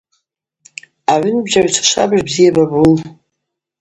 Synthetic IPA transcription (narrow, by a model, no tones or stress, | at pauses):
aʕʏnbʒaʕt͡ʃʷʰḁʃʷʰa̰bɨʒbzijababun